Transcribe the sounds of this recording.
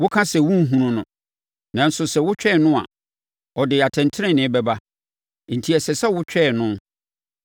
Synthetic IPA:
wʊ˦kʰã˦sɛ˨wũ˦m̩˦ɦũ˦nʊ̃˦nʊ̃˨ | nã˨n̩˦sʊ˨sɛ˨wʊ˦t͡ɕᶣɛ˦˨nʊ̃˦a̰˨ | ɔ˨dɪ˨a˨tʰɛ̃˨ntʰɪ˦ɪ̃˦˨nɪ̃˦bɛ˦ba˦ | n̩˨tʰi˨ɛ˨sɛ˨sɛ˦wʊ˦t͡ɕᶣɛ˦˨nʊ̃˦

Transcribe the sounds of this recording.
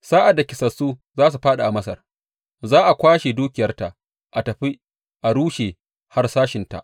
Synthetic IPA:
saː˦ʔa˨dːa˨kʲɪ˨˦sɐ˨suː˦zaː˦s̬u˨ɸaː˦ɗa˨ʔa˨mɐ˦sɐ̰˨r | zaː˦ʔa˨kʷaː˦ʃe˨duː˦kʲɪ˨jɐ˦rta˨ʔ | ʔa˨tɐ˨ɸi˦ | ʔa˨ɽuː˦ʃe˨ | ha˦rsaː˦ʃɪ˨nta̰˨ʔ

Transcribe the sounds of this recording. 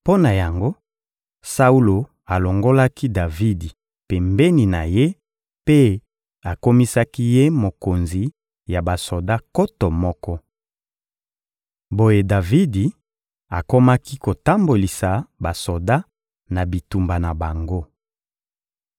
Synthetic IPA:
po˦na˨ja˨ŋɡo˦ | sa˦u˦lo˨ | a˨lo˨ŋɡo˦la˦ki˦da˨vi˦di˨ | pe˨mbe˦ni˨na˨je˦ | pe˦ | a˨ko˦mi˦sa˦ki˦je˦mo˨ko˨nzi˨ | ja˨ba˨so˨da˦ko˦to˨mɔ˦kɔ˦ | bo˦je˨da˨vi˦di˨ | a˨ko˦ma˦ki˦ko˨ta˦mbo˨li˨sa˨ba˨so˨da˦ | na˨bi˨tu˨mba˨na˨ba˨ŋɡo˦

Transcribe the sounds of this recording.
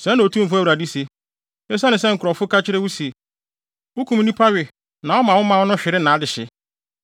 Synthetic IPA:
sɛ̃˨˦nã˨o˨tʰũ˦m̩˨fʊ˦æ˦wɾa˨di˦se˨ | ɛ˦s̬a˦nɪ̃˨sɛ˦ŋ̩˨kʰɾɔ˨fʊ˦kʰa˦t͡ɕʰɪ˦ɾɪ˦wʊ˦se˨ | ʊ˦kʰũ˦m˦nĩ˦pʰa˦ɥɪ˨ | nã˨wɔ˦mã˨wʊ˦mã˨wɔ˦nʊ̃˦ɕᶣɪ˨ɾɪ˦nã˨a˦dɪ˨ɕɪ˨

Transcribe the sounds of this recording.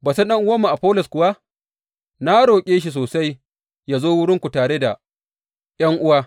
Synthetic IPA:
baː˨sa˦nɗɐ˦ŋʔʊ˦wɐ˦mːu˨ʔa˨ɸoː˦lɔ˨skʷʊ˨wa˦ | na˦ɽoː˨kʲʼeː˦ʃ̬i˨s̬oː˨sa˦j | jaː˨zoː˦wʊ˦ɽɪ˦ŋkʷu˨taː˨ɽe˦da˨ | jɐ˦ŋʔʊ˦waː˦

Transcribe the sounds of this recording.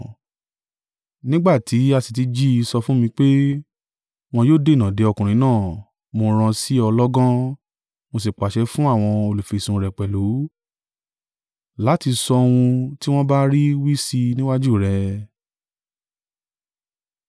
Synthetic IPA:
nĩ˦ɡ͡ba˦˨tʰi˨˦a˧si˨t̬i˨˧˦d͡ʒi˦i˧sɔ˧fũ˦mĩ˧k͡pe˦ | w̃ɔ̃˧joː˦˨de˦˨nã˨de˨˦ɔ˧˨kũ˨ɾ̃ĩ˨˦nãː˦˨ | mo˧ɾ̃ã˧si˦ɔ˧lɔ˦ɡɔ̃˦ | mo˧si˨k͡pa˨ʃɛ˧˦fũ˦a˦˨w̃ɔ̃˧o˧lu˨fi˨sũ˧ɾɛ˨k͡pɛ˨lu˨˦ | la˨˦ti˧sɔ˧wũ˧ti˦w̃ɔ̃˦ba˦ɾi˦wi˦si˧nĩ˦wa˦d͡ʒu˦˨ɾɛ˧

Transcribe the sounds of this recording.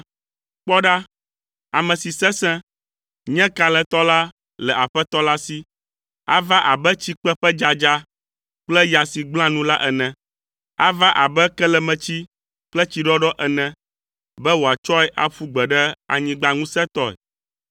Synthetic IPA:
k͡pɔ˦ɖa˦ | a˨mɛ̃˨si˨sɛ̃˦sɛ̃˦ | ɲɛ̃˦ka˨lɛ˨t̪ɔ˦la˦ | lɛ˨a˨ɸɛ˦t̪ɔ˦la˦si˦ | a̰˦va˦ʔa˨bɛ˦t͡ɕi˦k͡pɛ˦ɸɛ˦d͡ʒa˨d͡ʒa˦ | k͡plɛ˦ja˨si˨ɡ͡bl̃ã˦nũ˦la˦ʔɛ˨nɛ̃˨ | a˦va˦ʔa˨bɛ˦kɛ˦lɛ˨mɛ̃˨t͡ɕi˦ | k͡plɛ˦t͡ɕi˨ɖɔ˦ɖɔ˦ʔɛ˨nɛ̃˨ | bɛ˦wo˨a˨t͡ʃɔ˦ɛ˦ʔa˦ɸu˦ɡ͡bɛ˨ɖɛ˦a˨ɲĩ˨ɡ͡ba˨ŋũ˦sɛ̃˦t̪ɔ˦ɛ̰˨

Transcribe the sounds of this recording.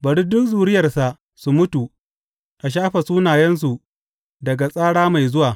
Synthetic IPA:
bɐ˨ɽi˦dʊ˦kzuː˨ɾɪ˦jɐ˨rsa˨ʔ | su˨mʊ˦tu˨ | ʔa˨ʃ̬aː˦ɸɐ˨suː˦naː˨jɛ˦ns̬u˨ | dɐ˨ɡa˨sʼaː˦ɽaː˦ma˨jzʊ˦waː˨

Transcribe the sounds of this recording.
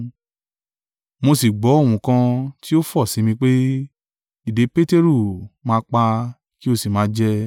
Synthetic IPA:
mo˧si˨ɡ͡bɔ˨˦o˦˨wũ˨kã˧ti˦o˦fɔ˦˨sĩ˨˦mĩ˧k͡pe˦ | i˦˨de˨˦pe˦te˦ɾu˦˨mãː˧˦k͡pa˧ | ki˦o˦˨si˨mãː˨˦d͡ʒɛ˦

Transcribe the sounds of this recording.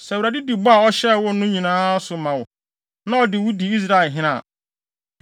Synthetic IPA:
sɛ˨u˨ɾa˨dɪ˦di˨bɔ˦a˨ɔ˦ɕɛ˦wʊ˦nʊ̃˦ɲĩ˨nãː˦sʊ˨mã˨wʊ˨ | nã˦ɔ˨dɪ˨wʊ˦di˨i˦s̬ɾa˦ɪ˨ɦɪ̃˦nã̰ː˨

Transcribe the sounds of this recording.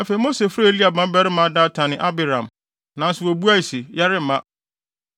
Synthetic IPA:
a˨fe˨i˨˦mo˦se˨fɾa˦li˦a˨bã˦bɛ˦ɾɪ˦mã˦da˦tʰã˨nɪ̃˨ʔa˦bɪ˨ɾã˨m | nã˨n̩˦sɪ˨wo˨bu˦a˦i˨sɪ˨ja˦ɾɪ˦m̩˨˦mã˦

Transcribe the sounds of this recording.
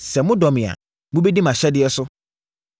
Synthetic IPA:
sɛ˨mʊ̃˦dɔ˨mɪ̃˨a̰˨ | mʊ̃˦be˦di˦mã˨ɕɛ˦dɪ˦ɛ˦sʊ˦

